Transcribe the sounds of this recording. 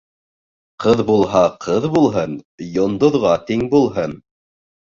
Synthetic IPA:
qɤðbulˠɦɑqʰɤðbulˠɦɤnjŏnd̪ŏðʁɑt̪iŋbulˠɦɤn

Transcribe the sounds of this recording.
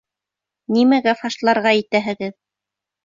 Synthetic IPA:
nimæɡæfɑʃlˠɑɾʁɑit̪æɦɘ̆ɡɘð

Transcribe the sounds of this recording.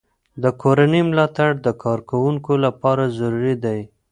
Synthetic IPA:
d̪əkoɾanəmlɑt̪aɽd̪əkʰɑɾkawuŋkolapɑɾazaɾuɾid̪aj

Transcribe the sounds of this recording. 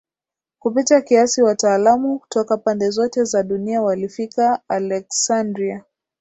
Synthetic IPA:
kupitakiasiwataːlamuku̥tɔkapandɛzɔtɛzaɗuniawalifikaːlɛksandɾia

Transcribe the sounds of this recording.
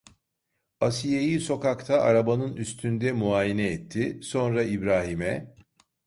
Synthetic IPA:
asijejiso̞kakt̪ʰaʔaɾabanɯnyst̪ʰynd̪ɛmuaːjenɛɛt̪ʰːɪso̞nɾaibɾaːɦimɛ

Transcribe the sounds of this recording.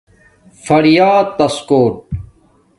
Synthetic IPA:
fɐɾijaːt̪ɐskoːʈ̚

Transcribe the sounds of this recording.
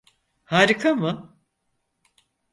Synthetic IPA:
haːɾikʰamɯ

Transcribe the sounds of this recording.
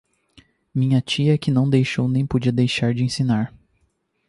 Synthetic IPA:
mĩɲɐt͡ʃiɐkɪnɐ̃w̃d̪ejʃownẽj̃pod͡ʒiɐd̪ejʃaɾd͡ʒɪẽsĩnaɾ

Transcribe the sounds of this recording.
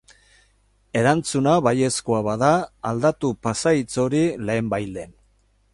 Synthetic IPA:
e̞ɾant͡sunaβaje̞skoaβaðaːld̪at̪upasait͡so̞ɾile̞ːmbajld̪e̞n

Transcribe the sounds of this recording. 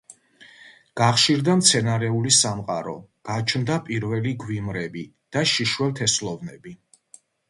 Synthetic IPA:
ɡ̥aχʃiɾd̪amt̪sʰɛnaɾɛulisamqʼaɾɔ̰ɡ̥at͡ʃʰnd̪apʼiɾvɛliɡwimɾɛbi | d̪̥aʃiʃwɛlˠt̪ʰɛslɔvnɛbi

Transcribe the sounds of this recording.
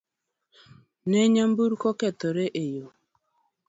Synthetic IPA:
nɛɲambuɾkɔkɛt̪oɾeʔejo

